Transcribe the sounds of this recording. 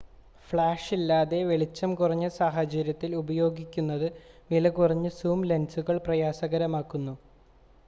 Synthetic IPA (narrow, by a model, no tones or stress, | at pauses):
fɭaːʂilːaːðe̞ʋe̞ɭit͡ɕːɐmkurɐɲːɨsaːɦɐt͡ɕɐɾjɐt̪ːilubɐjo̞ːɡikʲːunːɐðɨnilɐkurɐɲːɨsuːmlensuɣɐɭprɐjaːsɐɣɐɾɐmaːkːunːu